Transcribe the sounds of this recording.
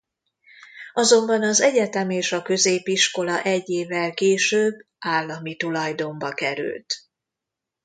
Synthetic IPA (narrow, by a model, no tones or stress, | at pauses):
ɒzo̞mbɒnɒzɛɟɛt̪ɛmeːʃɒkø̞zeːpiʃko̞lɒʔɛɟːeːvːɛlkeːʃøːbː | aːlːɒmit̪ulɒjd̪o̞mbɒkɛɾy̰lt̪